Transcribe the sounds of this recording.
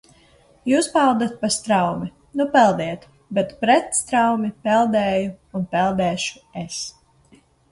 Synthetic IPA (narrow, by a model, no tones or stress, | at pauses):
juːspald̪at̪̚past̪ɾawmi | nupɛlˠd̪ɛjt̪ | bɛt̪pɾɛt̪st̪ɾawmipɛlˠd̪ɛːjuːnpɛlˠd̪ɛːʃu̥es